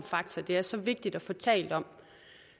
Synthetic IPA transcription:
mfɑ̈ɡ̥̚t͡sʰɐd̥e̝æɐsɒ̽ʋe̝ɡ̥̚d̥id̥ɒfɒt͡sʰɛ̰ːld̥ɒ̽m̰

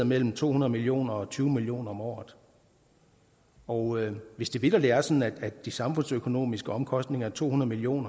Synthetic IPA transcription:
ɐmel̰m̩t͡sʰo̝̰ːunɐð̞̩ˠmilio̝̰ːnɐɒ̽t͡sʰyːʊmilijo̝̰ːnɐɒ̽mɒ̰ːð̩ˠ | ɒʊøʋe̝sd̥e̝ʋed̥ɐd̥e̝æɐsɒ̽n̩æ̥æ̥d̥isɑ̈mfɔ̽n̰søkʰo̝no̝̰ːmisɡ̥əɒ̽mkʰɒ̽sd̥ne̝ŋɐæɐt͡sʰo̝̰ːhunɐð̞̩ˠmilio̝̰ːnɐ

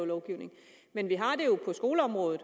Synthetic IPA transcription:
ʊlɒʊɡ̥iʊne̝ŋ | menʋiɦɑ̈d̥e̝jo̝pʰɒ̽sɡ̥o̝ːləɒ̽mʁɔ̽ːðð̩ˠ

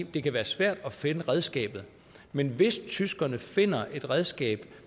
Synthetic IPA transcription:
d̥e̝kʰæʋæːɐsʋæɐ̰d̥ɒ̽fe̝nəʁɛð̞ˠsɡ̥ɛ̰ːb̥ð̩ˠ | menʋe̝st͡sʰysɡ̥ɐnəfe̝n̰ɐʔe̝d̥ʁɛð̞ˠsɡ̥ɛ̰ːb̥

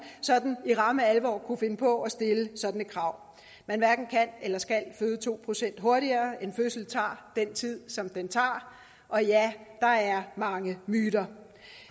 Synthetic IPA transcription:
sɒ̽d̥n̩iʁɑ̈məælʋɒ̰ːkʰufe̝nəpʰɒ̽ɒ̽sd̥e̝ləsɒ̽d̥nəkʰʁɑ̈ʊ̰ | mænʋæɐɡ̥n̩kʰænelɐsɡ̥ælføːð̞ˠət͡sʰo̝̰ːpʰʁo̝sen̰d̥ɦo̝ɐɾiɐːe̝nføsl̩t͡sʰɑ̰̈ːd̥ent͡sʰið̞̰ˠsɒ̽md̥ent͡sʰɑ̈ː | ʔɒ̽jæd̥ɑ̈æɐmɑ̈ŋəmyːɾɐ

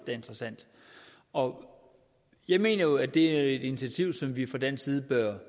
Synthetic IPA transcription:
d̥æe̝nd̥ʁɐsæn̰d̥ | ɒ̽ | jɑ̈ɪme̝̰ːnɐjo̝æd̥e̝æe̝d̥init͡sʰæt͡sʰiʊ̰sɒ̽mʋifʁɑ̈d̥ensiːð̞ˠəb̥ɶɐ

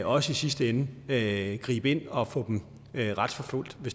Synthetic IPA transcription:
ɒ̽səisisd̥əenəøɡ̥ʁḭːb̥əe̝n̰ɒ̽fɔ̰̽ːd̥em | ʁɑ̈d̥fɒ̽fol̰d̥ʋe̝s

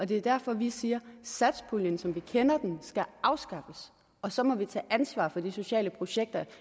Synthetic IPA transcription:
ɒ̽d̥e̝æɐd̥æɐ̰fɒ̽ʋisiːɐsæd̥spʰuljənsɒ̽mʋikʰenɐd̥ensɡ̥æʔɑ̈ʊsɡ̥ɑ̈fəs | ɒ̽sɒ̽mɒ̽ʋit͡sʰɛ̰ːʔænsʋɑ̰̈ːfɒ̽d̥iso̝ɕɛ̰ːləpʰʁo̝ɕeɡ̥̚d̥ɐ

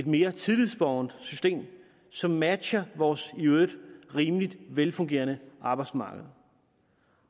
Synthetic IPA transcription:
e̝d̥me̝ːɐt͡sʰiðlˠið̰ˠsb̥ɒʊnd̥sysd̥e̝̰ːm | sɒ̽mːæd̥ɕɐʋɒːsiød̥ʁiːmlid̥ʋelfɔ̽ŋɡ̥e̝̰ːɐnəʔɑ̈ːb̥ɑ̈ɪdsmɑ̈ːɡ̥əð̩ˠ

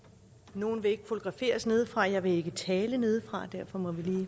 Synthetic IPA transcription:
no̝ːn̩ʋe̝e̝ɡ̥əfo̝t͡sʰo̝ɡ̥ʁɑ̈fe̝̰ːɐsne̝ð̞ˠfʁɑ̈jɑ̈ɪʋe̝e̝ɡ̥ət͡sʰɛːləne̝ːð̞ˠfʁɑ̈d̥æɐ̰fɒ̽mɒ̽ʋiliː

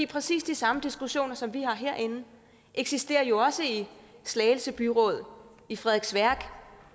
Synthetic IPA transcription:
ḭːpʰʁɛsḭːsd̥isɑ̈məd̥isɡ̥uɕo̝̰ːnɐsɒ̽mʋihɑ̈ɦeɐ̰ʔe̝n̩ | ʔeɡ̥sisd̥e̝̰ːɐjo̝ɒ̽səislɛːl̩səb̥yʁɔ̽ːð̞ˠ | ifʁɛðˠɡ̥sʋæɐ̰ɡ̥

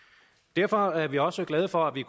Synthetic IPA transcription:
d̥æɐfɒæɐʋiɒ̽səɡ̥lɛð̞ˠəfɒ̽æʋikʰ

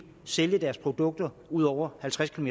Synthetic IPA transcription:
seljəd̥æɐspʰʁo̝d̥ɔ̽ɡ̥̚d̥ɐ | uð̞̰ˠɒʊ̰ɐhælt͡sʰʁaskʰilome

